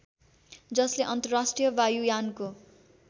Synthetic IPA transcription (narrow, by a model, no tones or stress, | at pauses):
d͡zʌsleʔʌnt̪ʌrasʈrijʌbajujanko